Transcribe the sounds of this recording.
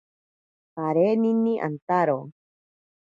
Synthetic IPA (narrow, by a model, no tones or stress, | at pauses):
taɾenĩnːĩʔa̰nt̪aɾo